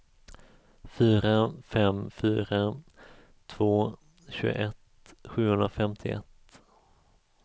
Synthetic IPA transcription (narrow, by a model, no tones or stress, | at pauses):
fyːɾafɛmfyːɾa | t̪ʰv̥oː | ɕʉ̟ːɡ̰ʔɛt̪ | ɧʉ̟ːhɵnd̪ɾafɛmt̪ʰɪɛ̰t̪